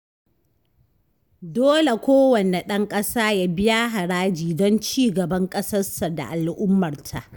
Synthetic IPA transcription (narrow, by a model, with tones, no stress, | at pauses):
doː˦le˨kʷoː˦wɐ˨ne˨ɗɐ˦ŋkʼɐ˦saː˦ja˦bɪ˦ja˦ɦa˨ɽaː˦d͡ʒiː˨dɔ˦nt͡ʃiː˦ɡɐ˨bɐ˦ŋkʼɐ˦sɐ˦rsa˨da̰˨ʔa˨lʔʊ˦mːɐ˨rtʰa̰˨ʔ